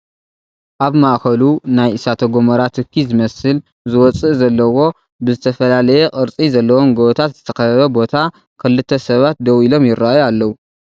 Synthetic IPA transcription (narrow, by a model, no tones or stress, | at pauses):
ʔaβmaʔkɐlunajʔɨsat̪ʰɐɡomɐɾat̪ʰɨkʰːizɨmɐsɨl | zɨwɔt͡sʼɨʔzɐlːɐwo̞ | bɨzɨt̪ʰɐfɐlalɐjɛkʼɨɾt͡sʼizɐlːɐwo̞mɡowt̪ʰat̪z̥ɨt̪ʰɐ̥kɐɐβɐbo̞t̪ʰa | kʰɨlːɨt̪ʰːɐsɐβat̪̚d̪ɐwilo̞mjɪɾːaʔjualːɐwu